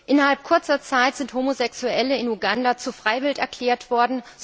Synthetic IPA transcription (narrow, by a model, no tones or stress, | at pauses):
ʔɪnɐhalp̚kʰʊɐt͡sɐt͡saɪtz̥ɪnthomozɛksuɛləɪnuɡandat͡sufʁ̥aɪvɪltɛɐkl̥ɛːɐtv̥ɔɐdn̩